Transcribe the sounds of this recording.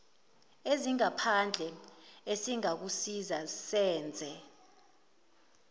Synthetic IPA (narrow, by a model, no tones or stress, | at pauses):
eziŋapʰand͡ɮʱɛesiŋak̬usizazsɛːnd͡zʱɛ